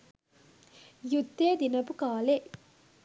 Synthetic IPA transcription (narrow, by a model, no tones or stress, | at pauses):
jut̪ːeːd̪inɐpukaːle